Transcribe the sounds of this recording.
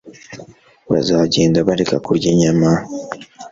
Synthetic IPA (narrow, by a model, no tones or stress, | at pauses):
βa̰zaɟe̞ːndaβaɾekakuɾɟeɲama